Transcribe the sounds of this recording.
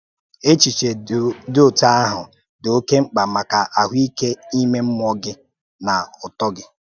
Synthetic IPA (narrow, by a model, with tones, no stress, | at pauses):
e˦t͡ʃi˨t͡ʃe˨do˦o˨ta˦a˦ɦʊ˨ | do˨˦ke˦ŋ͡m̩˦k͡pa˨ma˨ka˨ʔa˨ɦʷi˦ke˦i˦me˦m̩˦m˦ɔ˦ɡɪ˦ | na˨ʊ˨tɔ˦ɡɪ˦